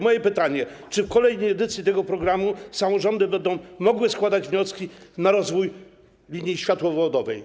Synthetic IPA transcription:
mɔjɛpɘt̪aɲɛ | t͡ʂɘfkɔlɛjnɛjɛd̪ɘt̪sʲjit̪ɛɡɔpɾɔɡɾamusamɔʐɔnd̪ɘbɛnd̪ɔ̃w̃mɔɡwɘskwad̪ad͡ʑvɲɔskʲinaɾɔzvuj | lʲiɲjiɕfʲjat̪wɔvɔd̪ɔvɛj

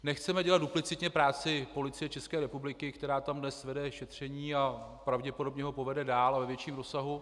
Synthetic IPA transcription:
nɛxt͡sɛmɛɟɛlat̪duplɪt͡sɪt̪ɲɛpɾaːt͡sɪpo̞lɪt͡sɪjɛt͡ʃɛskɛːɾɛpublɪkɪkt̪ɛɾaːt̪amdnɛsvɛdɛʃɛt̪r̝̥ɛɲiːapɾavɟɛpo̞do̞bɲɛɦo̞po̞vɛdɛdaːlavɛvjɛt͡ʃiːmɾo̞saɦu

